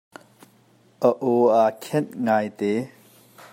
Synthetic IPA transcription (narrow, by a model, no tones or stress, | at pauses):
ʔəʔoakʰɛnŋajt̪e